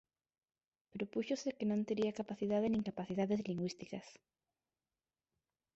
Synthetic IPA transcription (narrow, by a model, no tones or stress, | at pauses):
pɾopuçosekenõnt̪eɾiakapaθiðaðeniŋkapaθiðaðezliŋɡwist̪ikas